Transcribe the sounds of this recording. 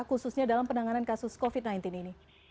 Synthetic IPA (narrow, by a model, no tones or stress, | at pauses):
kususɲadalampənaŋanankasʊskɔfit̪̚najnt̪inini